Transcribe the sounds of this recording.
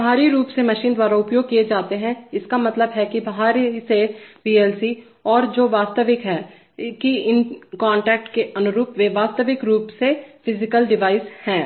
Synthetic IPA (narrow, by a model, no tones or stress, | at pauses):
bɐɦaːɾiɾuːpsemɐʃiːnd̪waːɾaʊpjoːɡ̚kied͡ʒaːt̪eɦɛ̃ɪskamɐt̪ləbɦɛkibɐɦaːɾiseʋiːɛːlsi | ɔːɾd͡ʒoːʋaːst̪əʋɪkɦɛː | kiɪnkãːɳʈɛːk̚ʈkeɐnʊɾuːpʋeʋaːst̪əʋɪkɾuːpsefʰɪzɪkəlɖɪʋaːɪshɛ̃ː